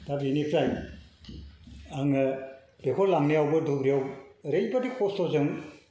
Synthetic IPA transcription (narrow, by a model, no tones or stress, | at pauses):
tainipʰɾaj | aŋ | dekʰɔlamniawbɯdʱubɾijawɾejbadikʰɔsɔzɯŋ